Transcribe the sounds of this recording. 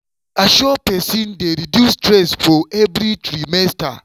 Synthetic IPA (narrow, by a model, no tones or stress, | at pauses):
aʃɔpɛsindeɾidjustɾɛsfɔɛvɾitɾimɛsta̰